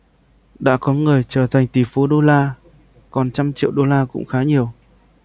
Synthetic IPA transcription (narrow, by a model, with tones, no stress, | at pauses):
ɗa̰ː˧˥kɔ˨˦ŋɨ˨˩əjt͡ɕəː˨˩t̪ʰa˨˩jŋ̟t̪i˨˩fo˨˦ɗo˧laː˧ | kɔ˨˩nt͡ɕa˧mt͡ɕḭ˧˨əwɗo˧laː˧kʊ̰˧˥ŋ͡mxaː˨˦ɲi˨˩əw